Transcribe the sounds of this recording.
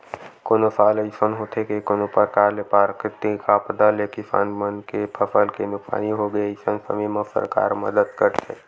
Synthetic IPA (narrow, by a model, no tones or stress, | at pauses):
koːnosʰaːləɪsənɦot̪ʰekekonopəɾkaːɾlepaɾkɾɪt̪ːikapəd̪alekisa̰nmənkepʰəfəlkenʊksa̰ːniɦoɡəeɪsənsə̰miməsə̰ɾka̰ːɾməd̪əd̪kəɾt̪ʰḛ